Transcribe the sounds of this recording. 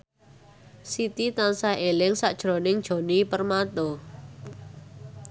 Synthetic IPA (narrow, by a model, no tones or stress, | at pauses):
sit̪it̪ansaelɪŋsaʔd̥ʒ̥ɾo̤nɪŋd̥ʒ̥o̤nipərmat̪ɔ